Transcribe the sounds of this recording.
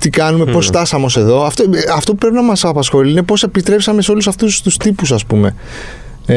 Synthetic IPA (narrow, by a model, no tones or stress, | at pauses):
t̪ikɐnume̞post̪ɐsɐmo̞se̞ðo̞ɐft̪oɐft̪o̞pupɾe̞pinɐmɐsɐpɐsxo̞liinepo̞se̞pist̪ɾe̞psɐme̞seo̞lusɐft̪ust̪ust̪ipusɐspume̞